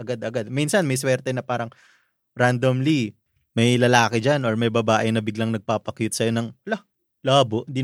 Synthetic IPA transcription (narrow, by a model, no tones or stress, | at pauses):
ʔɐɡad̪ɐɡad̪̚minsɐnmɐjswɛɾt̪ɛnɐpaːɾɐŋ | ɾand̪omli | mɐjlɐlaːkɛd͡ʒanoɹmɐjbɐbaːʔɪnɐbɪɡlɐŋnɐɡ̚paːpɐkjʊt̪̚sɐjo̞nɐŋɐla | laːboʔɪnd̪i